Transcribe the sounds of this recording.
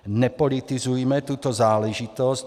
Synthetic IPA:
nɛpɔlit̪izujɛmɛt̪ut̪ɔzaːlɛʒit̪ɔsc

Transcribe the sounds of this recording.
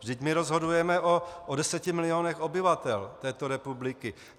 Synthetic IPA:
vdɪcmɪɾozɦo̞dujɛmɛʔoʔodɛsɛcɪmɪlɪonɛxo̞bɪvat̪ɛlt̪ɛːt̪oɾɛpublɪkɪ

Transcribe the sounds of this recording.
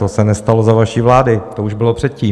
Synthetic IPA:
osɛnɛst̪alozavaʃiːvlaːdɪt̪ouʒbɪlo̞pr̥ɛt̪̚ciː

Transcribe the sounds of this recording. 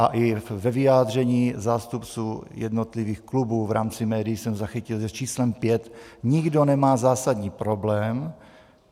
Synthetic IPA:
ʔaʔɪvɛvɪjaːd̪r̝ɛɲiːzaːst̪upt͡suːjɛdnot̪lɪviːxklubuːvɾa̰ːmt͡sɪmɛːdɪjɪsɛmzaxɪcɪlʒɛst͡ʃiːslɛmpjɛt̪ɲɪɡdo̞nɛmaːzaːsad̪ɲiːpɾoblɛːm

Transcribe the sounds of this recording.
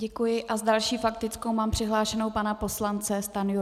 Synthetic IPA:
ɟɛkujɪʔazdalʃiːfakt̪ɪt͡sko̞wmaːmpr̥ɪɦlaːʃɛno̞wpanapo̞slant͡sɛst̪anju

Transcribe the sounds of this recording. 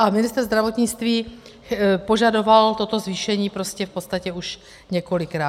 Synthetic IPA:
ʔamɪnɪst̪ɾzd̪ɾavo̞t̪ɲɪt͡st̪viː | po̞ʒado̞valt̪o̞t̪o̞zviːʃɛɲiːpɾo̞scɛfpot̪st̪acɛuʃ | ɲɛko̞lɪkɾaː

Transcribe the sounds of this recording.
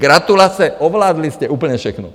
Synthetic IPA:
ɡɾat̪ulasɛɔʋlaːd̪liscɛʔuːpl̩ɲɛfʃɛxnɔ̰

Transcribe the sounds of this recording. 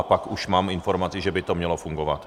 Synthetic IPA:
pakuʃmaːmɪnfo̞ɾmat͡sɪʒɛbɪt̪omɲɛlo̞fuŋɡo̞va̰t̪

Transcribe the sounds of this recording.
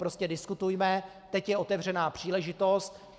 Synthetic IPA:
pɾo̞scɛdɪskut̪ujmɛ | t̪ɛcjɛo̞t̪ɛvr̝ɛnaːpr̝̥iːlɛʒɪt̪o̞st̪

